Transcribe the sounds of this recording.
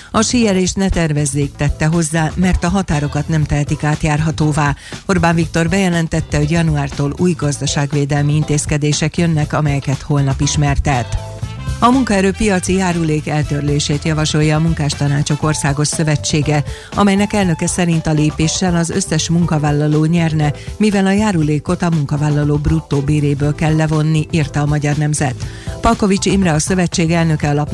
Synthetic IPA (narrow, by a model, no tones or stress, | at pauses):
ɒʃijɛɾeːʃt̪nɛt̪ɛrvɛzːeːk̚t̪ɛt̪ːɛɦo̞zːaːmɛrt̪ɒɦɒt̪aːɾo̞kɒt̪nɛmt̪ɛɦɛt̪ikaːt̪jaːrɦɒt̪oːvaːo̞rbaːɱvik̚t̪o̞rbɛjɛlɛnt̪ɛt̪ːɛɦoɟjɒnuaːrt̪oːluːjɡɒzd̪ɒʃaːɡʋeːd̪ɛlmiint̪eːskɛd̪eːʃɛkjønːɛkɒmɛjɛkɛt̪ho̞lnɒpiʃmɛrt̪ɛt̪ | ɒmuŋkɒɛɾøːpijɒt̪sijaːɾuleːkɛlt̪ørleːʃeːt̪jɒvɒʃo̞jɒːmuŋkaːʃt̪ɒnaːt͡ʃo̞ko̞rsaːɡo̞ʃsø̞vɛt͡ʃːeːɡɛ | ɒmɛjnɛkɛlnø̞kɛsɛɾint̪ɒleːpeːʃːɛlɒzø̞̰sːɛʃmuŋkɒvaːlːɒloːɲɛrnɛmivɛlɒjaːɾuleːko̞t̪ɒmuŋkɒvaːlːɒloːbrut̪ːoːbeːɾeːbøːlkɛlːɛvo̞nːiʔirt̪ɛɒmɒɟɒrnɛmzɛt̪ | pɒlko̞vit͡ʃimrɛɒsø̞vɛt͡ʃːeːɡɛlnø̞kɛɒlɒp